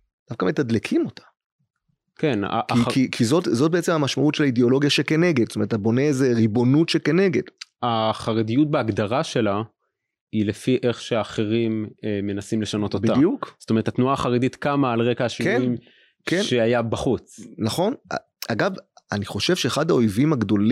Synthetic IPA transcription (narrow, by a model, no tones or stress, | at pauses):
d̥afkamet̪ad̪lekʰimo̞tʰḁ | kena̰ʔkːiikʰizo̞tzo̞t̚beet͡semhamaʃmautʃe̞laideo̞lo̞ɡjaʃekene̞ɡed̪sotome̞etabo̞ne̞zeʁibo̞nutʃekene̞ɡe̞daχaʁedijut̚beaɡd̪aʁaʃe̞la | ilefiʔe̞χʃeaːχeʁimeːe̞nasimle̞ʃano̞t̪obitadjukzo̥tomeet̪at̪nuaːχaʁedit̪kamaːlʁekaaʃikenim | kenʃeajabaχut͡snaχo̞na̰ | aɡavaniχo̞ʃe̞vʃe̞ːχad̪hao̞jvimhaɡd̪o̞l